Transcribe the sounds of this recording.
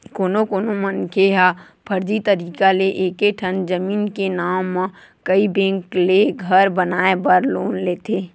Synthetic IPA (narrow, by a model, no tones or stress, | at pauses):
koːnokoːnomənkʰeɦa | pʰəɾd͡ʒ̪it̪əɾiːkaleʔeːkeʈʰənd͡ʒəmiːnkenaːmː | kəibẽːŋkleɡʱəɾbənaːebəɾloːnleːt̪ʰeː